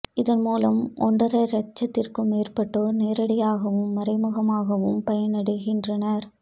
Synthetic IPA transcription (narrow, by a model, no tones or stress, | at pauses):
ɪðɐnmuːlɐmʔɔ̰ɳɖɐɾɐɾɐt͡ʃːɐt̪ːɪrkɯmeːrpɐʈːoːɾneːɾɐɽɪjaːɣɐʋɯmːɐɾɐɪmɯɣɐmaːɣɐʋɯmpɐjɐnɐɽɯɣɪndrɐnɐɾ